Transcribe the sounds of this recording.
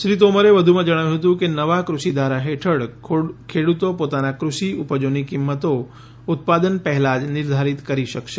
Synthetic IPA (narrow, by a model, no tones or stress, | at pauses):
ʃɾit̪oməɾeʋəd̪ʱumãd͡ʒəɽ̃aʋjũɦət̪̬ũkenəʋakɾuʃid̪ʱʋaɾaɦeʈʰəɽʰkʰeɽut̪opot̪anakɾuʃiupəd͡ʒonikimːət̪o | ʊt̪̚pad̪ənpəɦɛlad͡ʒnɪɾd̪ʱaɾit̪kəɾiʃəkʃe